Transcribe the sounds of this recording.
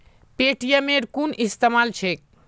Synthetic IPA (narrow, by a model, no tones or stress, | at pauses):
peʈijemeɾkunʔist̪emalt͡ʃʰek̚